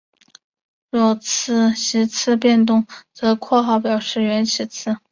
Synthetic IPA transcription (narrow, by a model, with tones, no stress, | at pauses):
ɻwɔ˥˩t͡s̩ʰ˥˧ɕi˧˥t͡sʰɹ̩˥˧pjɛ˥˧nt̪ʊ˥˩ŋt͡sɤ˧˥kʰwɔ˥˧xɑ˥˩ʊpjɑ˨˩ʊʂɻ̩˥˩ɥɛ˧˥nt͡ɕʰi˧˥t͡sʰɹ̩˥˩